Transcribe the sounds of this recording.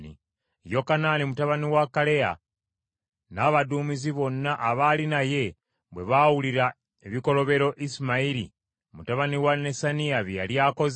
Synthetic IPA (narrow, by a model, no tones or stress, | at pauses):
nḭ | jo̞kanaːnimutaβaniwakale̞a̰ | naβaduːmiziβo̞nːaʔːβalinaje̞ | βwe̞βawuliɾa | eβiko̞lo̞βe̞ɾo̞ʔisimaiɾḭ | mutaβaniwane̞saniaβjja̰ljaːko̞z